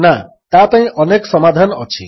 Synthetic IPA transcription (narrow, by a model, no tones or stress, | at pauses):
na | t̪apãɦĩʔɔneksɔmad̪ʱanɔ̰t͡ʃʰḭ